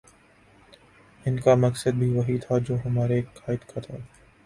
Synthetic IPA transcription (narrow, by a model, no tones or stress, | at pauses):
ɪnkamɐksəd̪̚bʱiʋɐɦit̪ʰad͡ʒoːɦɐmaːɾekʰaːɪd̪kʰat̪ʰaː